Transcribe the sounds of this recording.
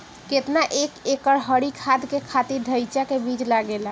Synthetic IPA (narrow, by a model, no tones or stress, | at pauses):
ket̪naʔekekəɾɦəɽikʰad̪kekʰat̪iɾɖʱəjt͡ʃakebid͡ʒlaɡela